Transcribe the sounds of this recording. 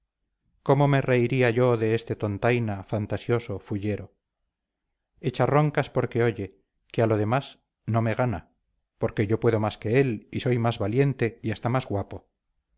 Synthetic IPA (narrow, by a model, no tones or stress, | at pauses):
ko̞mome̞reiɾiaʝo̞ðe̞est̪e̞t̪o̞nt̪ajnafant̪asjo̞sofuʎe̞ɾo̞ | e̞t͡ʃaro̞ŋkaspo̞ɾke̞oʎe | kealo̞ð̞e̞mas | no̞me̞ɣ̞ana | po̞ɾke̞ʝo̞pwe̞ðo̞maske̞e̞liso̞jmazβalje̞nt̪e̞iast̪amazɣwapo̞